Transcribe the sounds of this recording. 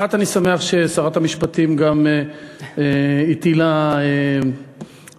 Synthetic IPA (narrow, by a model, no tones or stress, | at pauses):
at̪anisame̞aχʃesaʁat̪hamiʃpat̪imɡameeit̪ilae